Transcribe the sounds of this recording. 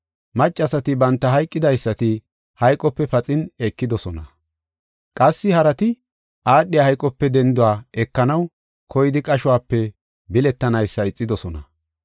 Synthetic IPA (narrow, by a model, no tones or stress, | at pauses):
mɐt͡ʃʼːɐsɐt̪ɪbɐnt̪ːɐɦɐjkʼːɪd̪ɐjsːɐt̪ɪ | hɐjkʼːɔpːɛfɐt͡sʼɪnekːɪd̪ɔsɔnɐ | kʼɐsːɪhɐɾɐt̪ɪ | ʔaːɗːɪjahɐjkʼːɔpːɛd̪ɛnd̪ʊwaːɛkːɐnɐw | kʰɔjɪd̪ɪkʼɐʃʊwaːpːɛ | bɪlɛt̪ːɐnɐjsːɐɪt͡sʼːɪd̪ɔsɔnɐ